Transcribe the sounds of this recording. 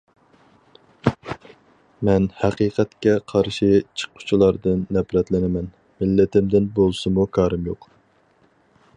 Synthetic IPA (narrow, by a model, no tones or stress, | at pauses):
mɛnhæqiːqʰɛt̪kʲɛqʰɑɾʃit͡ʃʰə̥qʰːʊ̥t͡ʃʰilˠɑɾd̪ɨnːɛpɾɛt̪lɪnɪmɛn | mɪlːɪt̪ɪmd̪ɪnbolˠsɨmukʰɑːɾɨmjoq